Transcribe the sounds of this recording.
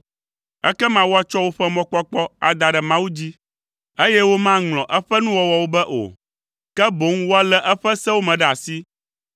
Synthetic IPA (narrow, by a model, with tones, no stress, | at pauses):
ɛ̰˦kɛ˦mã˨wo˦a˨t͡ʃɔ˦wo˦ɸɛ˦mɔ̃˦k͡pɔ˦k͡pɔ˦a̰˨d̪a˨ɖɛ˨mã˦wu˦d͡ʑi˦ | e˦jɛ˦wo˦mã˦ŋlɔ̃˨ʔɛ˦ɸɛ˦nũ˦wɔ˦wɔ˨wo˦bɛ˦ʔo̰˨ | kɛ˦bo˨˦ŋwo˦a˦lɛ˦ʔɛ˦ɸɛ˦sɛ˦wo˦mɛ̃˨ɖɛ˨a˨si˦